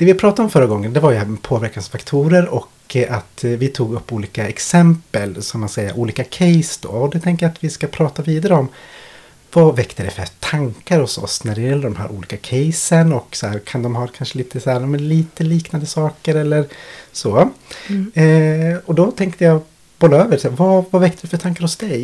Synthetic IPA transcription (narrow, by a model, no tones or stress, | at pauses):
d̪̥ɛvɪpʰɾɑːt̪ad̪ɔmfœɾːaɡɔŋːənd̪ɛvaɾjɵpʰoːvæɾkansfakt̪ʰuːɾəɾɔk | at̪vɪt̪ʰuːɡɵpːuːliːkaɛksɛmpəlsamːansɛjːa̰ʔuːliːkakʰɛjsd̪o̰ːɔd̪ɛt̪ʰɛŋkəjat̪vɪskapʰɾɑːt̪aviːd̪aɾəɔm | vɑvɛkt̪əd̪ɛfɛt̪ʰaŋkaɾhɔsɔ̰snæɾɛjɛlːəɖ̪ɔmɦæ̰ːɾʔṵːliːkakʰɛjsənɔksɔæ̰ːɾkʰand̪ɔmɦɑɾkʰanʂəliːt̪ʰəsæːɾɑːmɛnliːt̪əliːknand̪əsɑːkəɾɛlːəɾsoː | ɔd̪ɔt̪ʰɛŋkt̪əja | b̥ɔlːaøːvəɾsæːɾvavavɛk̚t̪əɖ̪ɛfœɾʈ̪ʰaŋkaɾɔsd̪ɛj